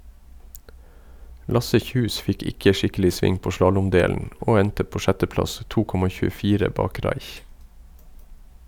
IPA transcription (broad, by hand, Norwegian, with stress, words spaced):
ˈlɑsə ˈçʉːs ˈfɪk ˈɪkə ˈʃɪkəlɪ ˈsʋɪŋ ˈpoː ˈʃlɑːlʊmˌdeːlən ˈʔoː ˈɛntə ˈpoː ˈʃɛtəˌplɑs ˈtuː ˈkɔmɑ çʉːəˈfiːɾə ˈbɑːk ˈɾɑɪç